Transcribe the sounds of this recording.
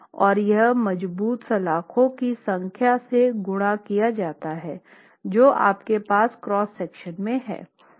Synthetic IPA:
ɔːɾjɐɦmɐd͡ʒbuːt̪sɐlaːkʰõkisɐ̃ŋkʰjaseɡʊɽ̃akijad͡ʒaːt̪aɦɛː | d͡ʒoːʔa̰ːpkepaːskɾɔːsːɛːkʃənmẽɦɛ̰ː

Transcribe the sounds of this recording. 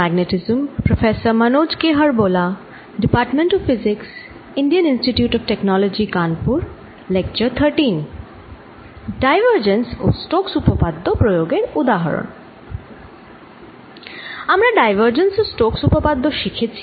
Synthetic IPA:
æɡneʈizmpɾofesəɾmənod͡ʑkeɦəɾbola | ɖipaɾʈmẽɳʈɔffiziks | iɳɖiəninsʈiʈjuʈɔfʈeknɔlod͡ʑikanpuɾ | lek̚t͡ɕəɾt̪ʰəɾʈin | ɖajʋəɾd͡ʑenso̰sʈoksupopad̪ʱːopɾojoɡeɾud̪aɦə̰ɾo̰n | amɾaɖajʋəɾd͡ʑensosʈoksupopad̪ːoʃikʰet͡ɕʰi̥

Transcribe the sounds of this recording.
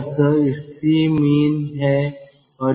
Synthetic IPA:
səɪsimiːnɦɛː | ɔːɾ

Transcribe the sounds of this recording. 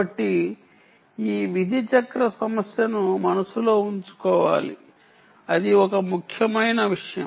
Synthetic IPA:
ɐʈːi | iːʋid̪ʱit͡ʃɐkɾɐsɐmɐsjɐnumɐnɐsulo̞ːuɲt͡ʃu̥kɔːʋa̰ːlḭ | ɐd̪iɔkɐmukʰːjɐmɐjnɐʋiʂɐjɐ̰

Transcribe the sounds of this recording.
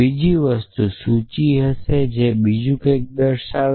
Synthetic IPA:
id͡ʒiʋəst̪usut͡ʃiɦəsed͡ʒebid͡ʒũkək̚d̪əɾʃa

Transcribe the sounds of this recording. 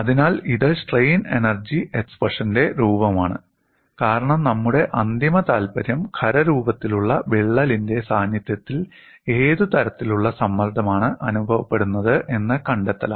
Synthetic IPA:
ɐðinaːliðɨʂʈrejne̞̰nɐrd͡ʑiʔekspɐʂɐnde̞ɾuːbɐmaːɳɨ̰ | kaːɾɐɳɐmnɐmːuɽe̞ʔɐnd̪imɐt̪aːlbɐɾjɐmkʰɐɾɐɾuːbɐt̪ːiluɭːɐʋeɭːɐlinde̞saːnjɐt̪jɐt̪ːil | e̞ːðut̪ɐɾɐt̪ːiluɭːɐsɐmːɐrd̪ʱɐmaːɳɨʔɐnubʱɐʋɐpːe̞ɽunːɐðɨʔe̞nːɨkɐɳɖet̪ːɐlɐ̰m

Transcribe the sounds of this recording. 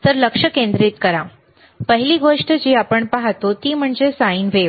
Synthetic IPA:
t̪əɾləkʂəkẽnd̪ɾit̪kəɾã | pəɦiliɡoʂʈəd͡ʑiapəɳpaɦat̪ot̪iːm̤əɳd͡ʑesaiːnʋe

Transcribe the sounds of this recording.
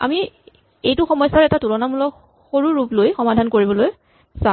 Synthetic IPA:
a̰mi | ejtʊxɔmɔjsaɹɛtatulɔnamulɔ | xoɹuɹuplojxɔmadʱankoɹibɔloj | sa

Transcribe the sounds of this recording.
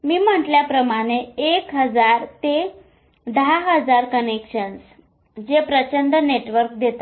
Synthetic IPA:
miːm̤əɳʈljapɾəmaɽ̃eːkɦəd͡zaɾt̪e | d̪əɦaɦəd͡zaɾkənekɕəns | d͡ʑepɾət͡ɕənd̪əneʈʋəɾk̚d̪ʱet̪a

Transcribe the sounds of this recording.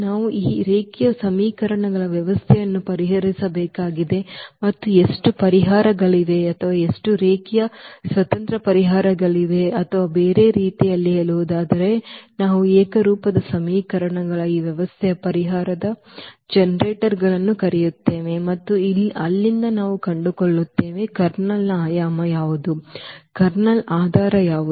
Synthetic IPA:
naːʋuʔiːɾeːkijɐsɐmiːkɐɾɐɳɐɡɐɭɐʋjɐʋɐst̪ʰɛjɐnːupɐɾiɦɐɾisɐbeːkaːɡid̪e̞mɐt̪ːueʂʈupɐɾiɦaːɾɐɡɐɭiʋ̪e̞ɐt̪ʰɐʋaːe̞ʂʈuɾeːkijɐsʋɐt̪ɐnt̪ɾɐpɐɾiɦaːɾɐɡɐɭiʋ̪e̞ɐt̪ʰɐʋaːbeːɾe̞ːɾiːt̪ijɐlːieːɭuʋud̪aːd̪ɐɾe̞naːʋueːkɐɾuːpɐd̪ɐsɐmiːkɐɾɐɳɐɡɐɭɐiːʋjɛʋɐst̪ʰɛjɐpɐɾiɦaːɾɐd̪ɐd͡ʒɛnɐɾeːʈɐɾɡɐɭɐnːukɐɾɛjut̪ːe̞ːʋe̞mɐt̪ːuilɐlːind̪ɐnaːʋukɐɳɖukoɭːut̪ːe̞ːʋe̞kɐɾnɐlaːjaːmɐjaːʋud̪ukɐɾɳɐlaːd̪ʱaːɾɐjaːʋu

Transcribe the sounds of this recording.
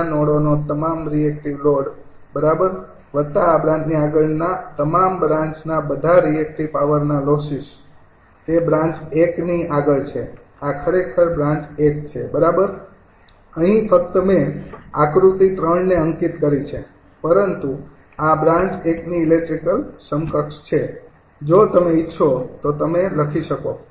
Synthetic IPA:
nɔɽonot̪əmamɾiek̚ʈiʋloɖ | bəɾabəɾ | ʋət̪ːaːbɾãɲt͡ʃniaɡəɭnat̪əmambɾãɲt͡ʃnabəd̪ʱaɾiek̚ʈiʋpaʋəɾnalosis | ebɾãɲt͡ʃekniaɡəlt͡ʃʰe | akʰəɾekʰəɾbɾãɲt͡ʃekt͡ʃʰebəɾabəɾ | əɦĩfək̚t̪əmeakɾut̪it̪ɾəɳneəŋkit̪kəɾit͡ʃʰe | pəɾənt̪u | abɾãɲt͡ʃekniːlek̚ʈɾikəlsəŋkəkʃt͡ʃʰe | d͡ʒot̪əmeɪtːʃʰot̪ot̪əmeləkʰiʃəko

